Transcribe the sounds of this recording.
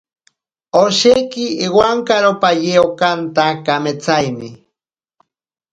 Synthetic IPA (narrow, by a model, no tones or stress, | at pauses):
oʃejkɪːwaŋkaɾopajeokant̪akamet͡sajmɪ